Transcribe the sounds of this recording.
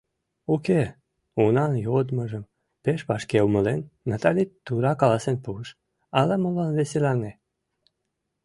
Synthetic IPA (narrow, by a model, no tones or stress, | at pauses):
uke | unɑnjod̪məʒəm | peʃpɑʃkewməlenːat̪ɑlʲit̪ːuɾɑkɑlɑsenpuʃ | ɑlemolɑnveselɑne